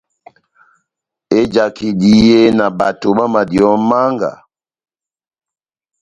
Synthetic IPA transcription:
e˦d͡ʒa˨kʰi˨di˦e˦na˨ba˨to˨ɓa˦ma˨djɔ˨˦ma˦ŋɡa̰˨

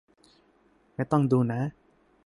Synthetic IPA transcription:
m˥˩jt̪ɔ˥˩ŋduː˧na˦˥

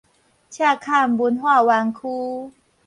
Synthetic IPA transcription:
t͡ɕʰja˥˩˨kʰa˥˨mbu˨˦nhwaː˥˩˨wa˧ŋkʰuː˦

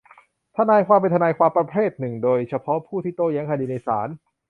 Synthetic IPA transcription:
t̪ʰa˧naː˧jkʰwaː˧mpe˧nt̪ʰa˧naː˧jkʰwaː˧mpɾa˧pʰɾeː˥˩t̪̚nɯ˨˩ŋdoː˧jt͡ɕʰa˧pʰɔ˦˥pʰuː˥˩t̪ʰiː˥˩t̪oː˥˩ja˦˥ŋkʰa˧diː˧˩na˧jsa̰ː˩˦n

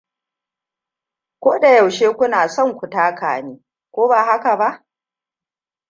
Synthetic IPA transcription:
kʷoː˦da˨ja˨wʃeː˦kʷʊ˦naː˨sɔ˦˨ŋkʷʊ˨taː˦ka̰ː˨niː˦ | kʷoː˦baː˨ɦa˦ka˨ba˦ʔ

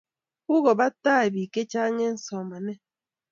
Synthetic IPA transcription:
u˦ɣɔ˨ba˦taː˦˨bi˨ke˦t͡ʃa˦ŋe˦n̩˨sɔ˨ma˨ne˦

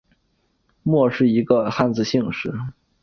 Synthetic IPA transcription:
mwɔ˥˧ʂɻ̩˥˩i˧˥ɡə˧xa˥˧nt͡sɹ̩˧ɕi˥˧ŋʂɻ̩˥˩

